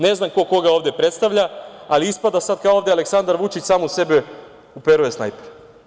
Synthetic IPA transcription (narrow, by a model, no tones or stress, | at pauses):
ne̞znamko̞ko̞ɡao̞ːʋd̪epɾe̞t̪st̪aʋʎaaliispad̪asad̪̚kaooʋd̪ʲealeksand̪aɾʋut͡ʃit͡ɕsaːmuse̞be | upeɾujesna̰jpeɾ